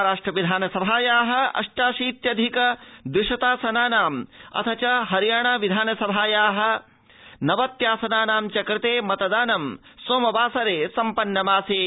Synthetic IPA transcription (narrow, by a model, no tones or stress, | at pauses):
ɾaːʂʈɾɐʋid̪ʱaːnɐsɐbʱaːjaːɦɐ̆ɐ̰ʂʈaːʃiːt̪jɐd̪ʱikɐd̪ɾiʂɐt̪aːsɐnaːnaːmɐ̰t̪ʰɐt͡ʃɐɦɐɾjaːɳɐʋid̪ʱaːnɐsɐbʱaːjaːɦɐ̆ | nɐʋɐt̪jaːsɐnaːnaːmt͡ʃɐkɾɪt̪eːmɐt̪ɐd̪aːnɐmsoːmɐbaːsɐɾeːsɐmpɐnːɐmaːseː